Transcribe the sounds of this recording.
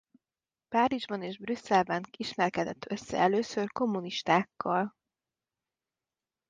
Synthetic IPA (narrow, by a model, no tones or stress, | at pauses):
paːɾiʒbɒneːʒbrysːɛlbɛniʃmɛrkɛd̪ɛt̪ːø̞sːɛ̰ɛløːsørko̞mːuniʃt̪aːkːɒl